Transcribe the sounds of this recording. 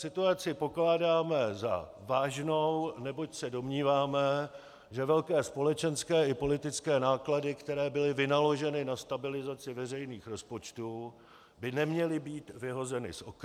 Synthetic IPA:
sɪt̪uat͡sɪpo̞klaːdaːmɛza̰ | vaːʒno̞wnɛbo̞csɛdo̞mɲiːvaːmɛ | ʒɛvɛlkɛːspo̞lɛt͡ʃɛnskɛːʔɪpo̞lɪt̪ɪt͡skɛːnaːkladɪkt̪ɛɾɛːbɪlɪvɪnalo̞ʒɛnɪnast̪abɪlɪzat͡sɪvɛr̝ɛjniːxɾo̞spo̞t͡ʃt̪uː | bɪnɛmɲɛlɪbiːt̪vɪɦo̞zɛnɪ̰sʔok

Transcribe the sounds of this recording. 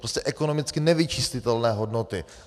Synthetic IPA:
pɾoscɛʔɛkono̞mɪt͡skɪnɛvɪt͡ʃiscɪt̪ɛlnɛːɦodnot̪ɪ

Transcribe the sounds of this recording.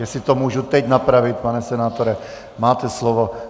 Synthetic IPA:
ɛsɪt̪omuːʒut̪ɛɟnapɾavɪt̪̚panɛsɛnaːt̪oɾɛ | maːt̪ɛslovo

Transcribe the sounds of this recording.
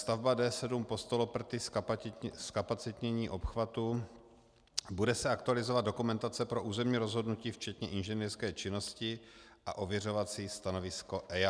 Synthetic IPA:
st̪avbadɛːsɛdumpo̞st̪olopr̩t̪ɪs | skapat͡sɪt̪ɲɛɲiːʔo̞pxvat̪u | budɛsɛakt̪ualɪzovad̪do̞kumɛnt̪at͡sɛpɾo̞ʔuːzɛmɲiːɾo̞zɦo̞dnuciːft͡ʃɛt̪ɲɛʔɪnʒɛniːrskɛːt͡ʃɪno̞scɪʔa̰ʔo̞vjɛro̞vat͡siːst̪ano̞vɪsko̞ʔɛa

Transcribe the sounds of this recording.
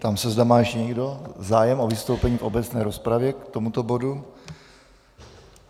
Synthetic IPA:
t̪amsɛzdamaːjʃɲɛɡdo̞zaːjɛmʔovɪst̪owpɛɲiːfo̞bɛt͡snɛːɾospɾavjɛkt̪o̞mut̪obo̞du

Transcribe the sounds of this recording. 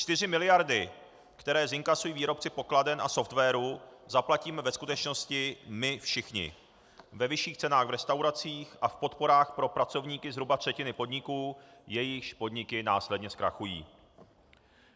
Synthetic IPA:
t͡ʃt̪ɪr̝ɪmɪlɪjaɾdɪ | kt̪ɛɾɛːzɪŋkasujiːviːɾo̞p̚t͡sɪpo̞kladɛnʔa̰so̞ft̪vɛːɾuzaplaciːmɛvɛskut̪ɛt͡ʃno̞scɪmɪfʃɪxɲɪ̰ | vɛvɪʃiːxt͡sɛnaːɣvɾɛst̪awɾat͡siːxʔafpo̞t̪po̞ɾaːxpɾo̞pɾat͡so̞vɲiːkɪzɦɾubat̪r̥ɛcɪnɪpo̞dɲɪkuːjɛjɪxpo̞dɲɪkɪnaːslɛdɲɛskɾa̰xujḭː

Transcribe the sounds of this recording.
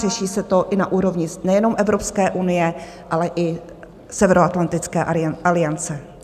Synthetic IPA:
rɛʃiːsɛt̪o̞ʔɪnaʔuːɾo̞vɲɪnɛjɛno̞mʔɛvɾo̞pskɛːʔunɪjɛ | ʔalɛʔɪ | sɛvɛɾoat̪lant̪ɪt͡skɛːʔalɪjant͡sɛ

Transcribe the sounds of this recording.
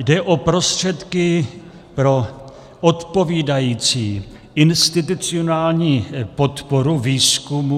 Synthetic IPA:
dɛʔo̞pɾo̞st̪r̝̥ɛt̪kɪ | pɾo̞ | ʔot̪po̞viːdajiːt͡siː | ʔɪnst̪ɪt̪̬ut͡sɪonaːlɲiːpo̞t̪po̞ɾuviːskumu

